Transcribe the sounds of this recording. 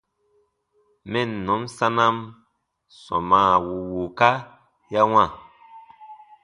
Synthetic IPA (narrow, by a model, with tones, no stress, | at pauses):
mɛ˦nnɔ̃˨˦msã˦na˦m | sɔ̰˨maː˨wu˨wu˨ka˦ | ja˦wã˦˨